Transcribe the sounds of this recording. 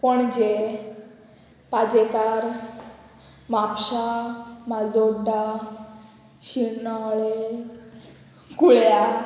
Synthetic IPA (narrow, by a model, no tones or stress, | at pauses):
pəɳd͡ʑe | pad͡ʑet̪aɾ | mapɕamad͡zoɖa | ɕinaɭe | kuɭja